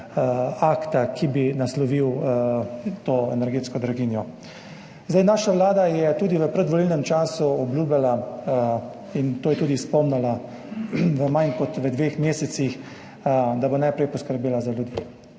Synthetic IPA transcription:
aːkt̪akibinaslɔʋiw | t̪oːɛ̰nɛɾɡeːt̪skɔd̪ɾaɡiːnjɔ | zd̪ajnaːʃaʋlaːd̪ajɛt̪uːd̪iʋəpɾɛd̪ʋɔlilnɛmt͡ʃaːsuɔbljuːbjala | int̪oːjɛt̪uːd̪ispɔmnala | ʋəmankɔt̪ʋəd̪ʋeːxmeːsɛt̪six | d̪abonajpɾɛjpɔskəɾbeːlazaljud̪iː

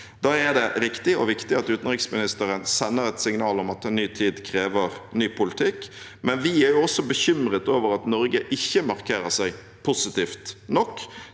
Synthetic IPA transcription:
d̪̥ɑːɛd̪ɛɾɪkt̪ɪɔ̰ʋɪkt̪ɪɑt̪ʉːt̪n̩ʁɪksmɪnɪst̪əɾənsɛnːəʁɛt̪sɪŋnɑːlɔmɑt̪ɛnːyːt̪ʰiːd̪kʰɾeːʋəʁnyːpʰʊlɪt̪ʰɪkː | mɛnʋɪæɾjʊɔsɔbəçʏmʁət̪oːʋəɾɑt̪nɔɾɡəʔɪçːəmɑʁkʰeːɾəsæɪ | pʰusɪt̪iːft̪nɔkː

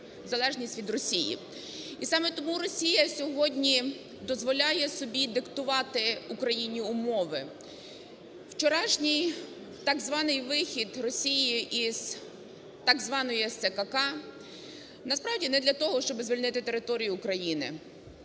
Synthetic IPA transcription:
zɐlˠɛʒnʲisʲtʲʋʲid̪rɔsʲijḭ | isɑmɛt̪ɔmuɾɔsʲijɐsʲɔɦɔdʲnʲi | d̪ɔzʋɔlʲɑjɛsɔbʲid̪ɪkt̪ʊʋɑt̪ɪukɾɐjinʲiʊmɔʋɪ | wt͡ʃɔɾɑʃnʲij | t̪ɑɡzʋɑnɪjʋɪxʲid̪rɔsʲijiʔiz̥ | t̪ɑɡzʋɑnɔjɛsɛkɐkɑ | nɐspɾɑʋdʲinɛd̪lʲɐt̪ɔɦɔʃt͡ʃɔbɪzʋʲilʲnɪt̪ɪt̪e̞ɾɪt̪ɔɾʲijʊːkɾɐjinɪ̰

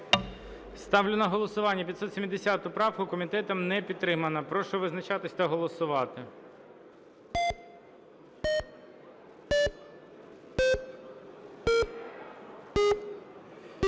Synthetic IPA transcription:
st̪ɑʋlʲʊnɐɦɔlˠɔsʊʋɑnʲːɐpʲid̪sɔt̪sʲemʲid̪esʲɑt̪ʊpɾɑwkʊkɔmʲit̪ɛt̪ɔmnɛpʲid̪t̪ːɾɪmɐnɐpɾɔʃɔʋɪznɐt͡ʃɑt̪ɪsʲt̪ɐɦɔlˠɔsʊʋɑt̪ɪ

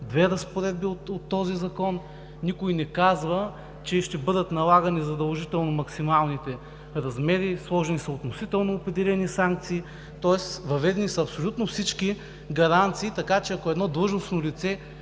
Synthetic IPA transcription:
d̪vɛɾɐspoɾɛd̪̚biot̪ot̪ːɔzizɐkɔnː | ikʊjnɛkazvə | t͡ʃɛʃt̪ɛbɤd̪ət̪nɐlˠaɡɐnizɐd̪ɐlˠʒit̪ɛlˠnomɐksimalˠnit̪ɛ | ɾɐzmɛɾislˠɔʒɛnisɐot̪nosit̪ɛlˠnoːpɾɛd̪ɛlʲɛnisaŋk̚t̪siː | t̪ɔɛsvɐvɛd̪ɛnisɐɐpsolʲut̪nofsit͡ʃki | ɡɐɾant̪siːt̪ɐkat͡ʃɛɐkoɛd̪nɔd̪lˠɤʒnosnolit̪sɛ

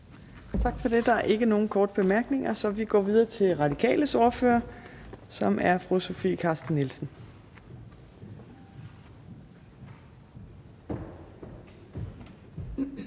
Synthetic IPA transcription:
t͡sʰɑ̈ɡ̥fɒ̽d̥e̝d̥ɑ̈æɐʔe̝ɡ̥əno̝ːn̩kʰɒːd̥əb̥e̝mæɐɡ̥ne̝ŋɐsɒ̽ʋiɡ̥ɒ̰ːʋið̞ˠɐt͡sʰe̝lʁɑ̈d̥ikʰɛ̰ːləsoːɐfø̰ːɐ | sɒ̽mʔæɐfʁoso̝fḭːkʰɑ̈sd̥nːilsn̩

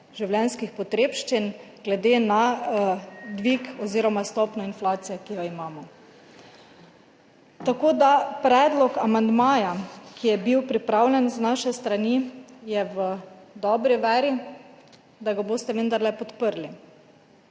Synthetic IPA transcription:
ʒiwlʲjɛnskixpɔt̪ɾeːpʃt͡ʃinɡ̥lɛd̪ena | d̪ʋikɔziɾɔmast̪ɔpnɔinflaːt̪sijɛkijɔimaːmɔ | t̪akoːd̪apɾɛːd̪lɔkamand̪maːjakʰijɛbiwpɾipɾawlʲɛnznaʃɛst̪ɾanijɛʋəd̪ɔbɾiʋɛːɾi | d̪aɡaboːst̪ɛʋənd̪aɾlɛpɔt̪pəɾli

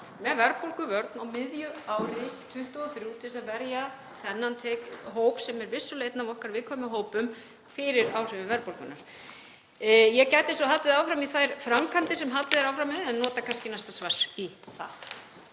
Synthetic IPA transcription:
mɛðvɛɾpolkʏvœɾt̪nawmɪðjʏaːwɾɪt̪ʰʏht̪ʏɔθɾjuːt̪ʰɪs̬avɛɾja | θɛnːant̪ʰeːkɦoːwpsɛmɛɾvɪsːʏleːjt̪navɔhkaɾvɪːðkʰvamɪɦoːwpʏm | fɪɾɪɾawr̥ɪvʏvɛɾpolkʏnaɾ̥ | jɛcajt̪ɪsɔɦalt̪ɪðaːwfɾamiθajɾ̥fɾamkʰant̪ɪsɛmɦat̪ɪðɛɾawfɾamɛðɛnːɔːt̪akʰanscɪnajst̪asvar̥iθa̰

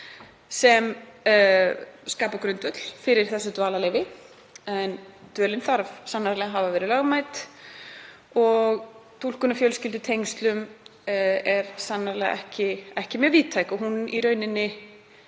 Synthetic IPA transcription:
sɛm | skaːpakɾʏnt̪œt̪l̥fɪɾɪɾ̥θɛsːʏt̪vaːlalejvɪ | ɛnt̪œːlɪnfθaɾvsanːaɾlɛɣaɦavavɛːɾɪlaɣmaːjt̪ | ɔɣt̪ʰul̥kʏnafjœlscɪlt̪ʏt̪ʰejŋst̪lʏm | ɛɾsanːaɾlɛ̰ɣa̰ɛhcɪɛhcɪmɛɾviːt̪ʰːajkɔɦuniɾœːɥnɪnːɪ

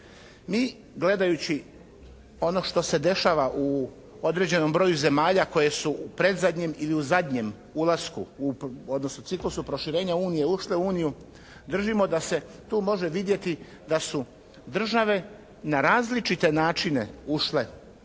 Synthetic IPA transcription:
miː | ɡle̞d̪ajut͡ɕi | o̞no̞ʃt̪o̞se̞d̪e̞ʃaʋaʔu | o̞d̪ɾe̞d͡ʑe̞no̞mbɾo̞juze̞maːʎako̞je̞suʔupɾe̞d̪zad̪ɲe̞miliuzad̪ʲɲe̞m | ulaskuuo̞d̪nosnot̪siklusupɾo̞ʃiɾe̞ːɲauːnije̞uʃle̞uuːniju | d̪r̩ʒimo̞d̪ase̞t̪uːmo̞ʒe̞ʋid̪je̞t̪i | d̪asu | d̪r̩ʒaʋe̞ | naɾaːzlit͡ʃit̪e̞naːt͡ʃine̞̰uʃle̞

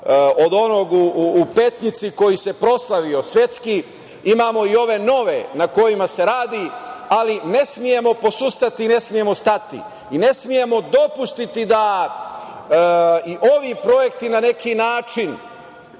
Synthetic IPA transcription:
o̞d̪o̞no̞ɡuːpe̞t̪nit̪siko̞jise̞pɾo̞slaʋio̞sʋʲje̞t̪ski | imaːmo̞io̞ʋe̞no̞ʋe̞nako̞jimase̞ɾaːd̪ialine̞smije̞mo̞po̞sust̪at̪iːne̞smije̞mo̞st̪at̪ḭ | ine̞smije̞mo̞d̪o̞pust̪it̪id̪a | iʔo̞ʋiːpɾo̞je̞kt̪inane̞kinaːt͡ʃin

